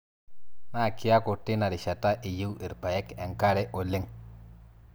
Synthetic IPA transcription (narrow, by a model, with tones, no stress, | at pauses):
na˦˨kɪ˦ja˦kʊ˨tɪ˦na˨ɾɪ˨ʃa˨ta˦ʔi˨ji˦wʔi˨ɾpa˨jɛ˦kɛ˨ŋka˦ɾɛ˦ʔɔ˨lɪ˦ŋ